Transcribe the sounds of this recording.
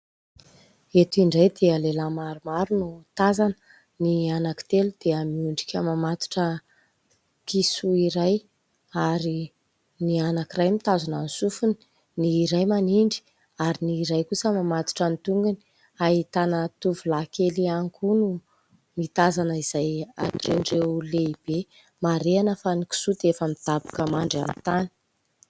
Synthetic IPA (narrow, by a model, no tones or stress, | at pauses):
et̪uiɳɖ͡ʐajd̪eəlelamaɾumaɾunut̪azanə | nianaki̥t̪elud̪̥eəmiuɳɖ͡ʐi̥kʲəmamat̪u̥ʈ͡ʂə | kisuiɾaj | aɾi | nianakirajmit̪azunanisufuni̥ | niːɾajmaniɳɖ͡ʐi̥ | aɾiniɾajkusəmamat̪u̥ʈ͡ʂənit̪uŋɡani | aɦit̪anət̪uvulakeliaŋkunu | mit̪azanəiz̥aja̰ʈ͡ʂeɳɖ͡ʐeleib̥e | maɾeanəfaniki̥sut̪efəmid̪̥abu̥kəmaɳɖ͡ʐa̰mt̪ani̥